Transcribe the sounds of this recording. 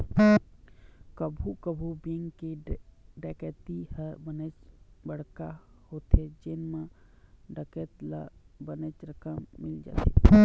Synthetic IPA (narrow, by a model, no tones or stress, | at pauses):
kəbʱukəbʱubeŋɡkeɖɛːkɛt̪ihəɾbənet͡ʃbəɽ̤ka | hoːt̪ed͡ʒenmãɖɛkɛt̪labənet͡ʃɾəkəmːɪld͡ʒa̰ːt̪ḛ